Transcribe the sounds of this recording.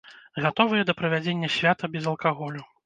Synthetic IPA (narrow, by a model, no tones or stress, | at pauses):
ɣat̪ɔvɨjɛd̪ɐpɾɐvʲad͡zʲenʲːɐsʲvʲat̪ɐbʲɛzɐlˠkaɣɔlʲu